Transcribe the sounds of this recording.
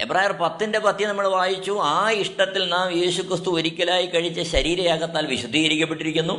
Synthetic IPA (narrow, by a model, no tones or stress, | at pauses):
ebraːjirpɐt̪ːinde̞pɐt̪ːjɐnɐmːɐɭʋaːjit͡ɕːuaːiʂʈɐt̪ːilnaːmje̞ːɕukrɨst̪uoɾikʲːɐlaːjikɐɻit͡ɕːɐɕɐɾiːɾɐjaːɡɐt̪ːaːlʋiɕud̪ʱːiːɣɐɾikʲːɐpːe̞ʈːiɾikʲːunːu